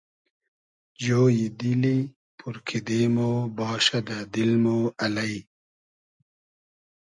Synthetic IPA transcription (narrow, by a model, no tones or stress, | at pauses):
d͡ʑoːjid̪ili | puɾkʰid̪eːmobɑːɕɐd̪ad̪ilmoːɐlɐi